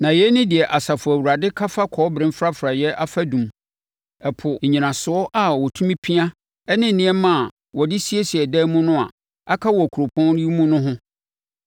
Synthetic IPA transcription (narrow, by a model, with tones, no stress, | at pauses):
nã˨jɛ˦nʊ̃˦dɪ˨ɛ˨ʔa˨sa˨fʊ˨æ˨wu˨ɾa˨dɪ˦kʰa˦fa˦kʰɔ˨˦bɾɪ̃˦m˦fɾa˦fɾa˨jɛ˦ʔa˦fa˦dũ˨m | ɛ˨pʰʊ˨ɲ̩˨ɲĩ˨nã˨sʊ˨˦ɔ˦ʔa˨wɔ˨tʰũ˦mĩ˦pʰi˦a˦ | ɛ˦nɪ̃˦n̩˨nĩ˦ɛ˦mã˦a˨ | wɔ˨dɪ˦si˦e˦si˨ɛ˨dɛ˦mũ˦nʊ̃˦a̰˨ | a˦kʰa˦wɔ˨kʰu˨ɾo˨pʰɔ̃˦n˦ji˦mũ˦nʊ̃˦ɦʊ̃˦